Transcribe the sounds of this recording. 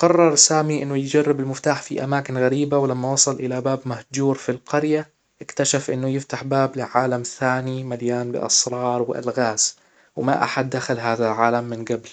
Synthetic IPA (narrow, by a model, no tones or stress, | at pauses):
qɑrˤːɑɾˤsaːmiʔɪnːʊjɪd͡ʒarːɪbɪlmɪft̪aːħfiʔa̰maːkɪnɣaɾiːbawlamːawɑsˤɑlʔɪlabaːbmahd͡ʒuːɾfilqɑɾja | ʔɪkt̪aʃafʔɪnːʊjɪft̪aħbaːblɪʕaːlamθaːnimaljaːnbɪ̰ʔɑ̰sˤɾˤɑːɾˤwɪʔa̰lɣaːs | wɪma̰ʔa̰ħad̪ːaxalɦaːðalʕaːlamːɪnɡabl